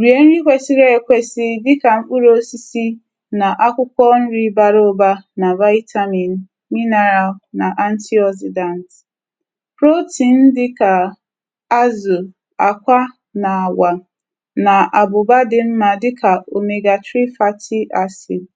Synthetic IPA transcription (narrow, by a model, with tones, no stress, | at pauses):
ɾi˨e˨˦n̩˦ɾi˦kʷe˦sɪ˦ɾe˦e˨kʷe˦sɪ˦dɪ˦ka˨m̩˦k͡pu˦ɾo˦si˦si˦ | na˨ʔa˦kʷʊ˦kʷɔ˦n̩˦ɾi˦ba˦ɾo˦ba˦na˨va˦ɪ˦tʰa˦mi˨n̩˨ | mi˦na˨ɾa˨na˨ʔa˦n̩˦ti˦ɔ˦s̬ɪ˨da˨nt | pɾo˦ti˨n̩˦dɪ˦ka˨ | a˦zʊ˨ | a̰˨kʷa˦ | na˨wa˨ | na˨ʔa˨bʊ˨ba˦dɪ˦m̩˦ma˨dɪ˦kʰa˨o˨me˨ɡa˨tɾi˦fa˦tʰɪ˦ʔa˨si˨